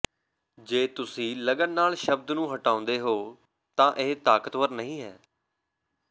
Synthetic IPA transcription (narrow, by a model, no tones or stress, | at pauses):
d͡ʒeːt̪ʊsĩːləɡənnaːlʃəb̚d̪nũːɦəʈãːʊ̃nd̪eːɦoː | t̪ãːʔeːt̪aːkət̪ʋəɾnəɦĩːɦɛː